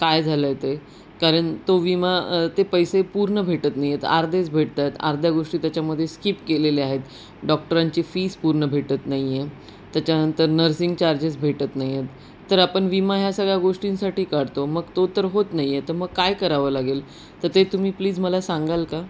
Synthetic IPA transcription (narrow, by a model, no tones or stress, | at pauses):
kajd͡zʱaləjt̪e | kaɾəɳt̪oʋimat̪epəjsepuɾɳəbʱeʈət̪naɦjet̪a̰ɾd̪ʱet͡sbʱeʈt̪at̪a̰ɾd̪ʱjaɡoʂʈiːt̪jat͡ɕjaməd̪ʱːjeskiːpkeleliaɦet̪ | ɖɔk̚ʈəɾaɲt͡ɕiːfiːspuɾɳəbʱeʈət̪naɦie | t̪jat͡ɕjanənt̪əɾnəɾsiŋɡt͡ɕaɾd͡ʑet͡sbʱeʈət̪naɦjjet̪ː | əɾapəɳʋimaɦjasəɡɭaɡoʂʈĩnsaʈiːkaɽt̪oməɡt̪ot̪əɾɦot̪naɦijet̪əɾməɡ̚kajkəɾaʋəːlaɡel | t̪əɾt̪et̪um̤iːpliːd͡zməlasãŋɡalka